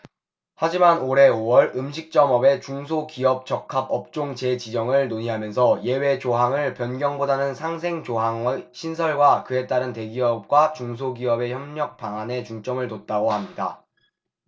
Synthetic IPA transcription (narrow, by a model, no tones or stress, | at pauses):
had͡ʑimanoɾe̞owʌɾɯmɕʰik̚t͡ɕ͈ʌmʌbe̞t͡ɕuŋs̬ʰokiʌp̚t͡ɕʌkʰab̚ʌp̚t͡ɕ͈oŋt͡ɕe̞t͡ɕid͡ʑʌŋɯɭnoɲiɦamjʌnsʰʌje̞we̞t͡ɕoɦaŋɯɭpjʌnɡjʌŋbodanɯnsʰaŋsʰe̞ŋt͡ɕoɦaŋeɕʰinsʰʌɭɡwakɯe̞t͈aɾɯnte̞ɡiʌp̚k͈wat͡ɕuŋs̬ʰoɡiʌbe̞çjʌmɲʌk̚p͈aŋane̞t͡ɕuŋt͡ɕ͈ʌŋɯɭtot̚t͈aɡohamɲida̰